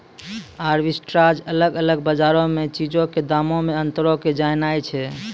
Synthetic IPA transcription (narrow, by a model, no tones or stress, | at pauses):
aɾʋisʈɾad͡ʒələɡələɡbəd͡ʒaɾomet͡ʃid͡ʒõked̪amõmeənt̪ɾoked͡ʒajnajt͡ʃʰɛ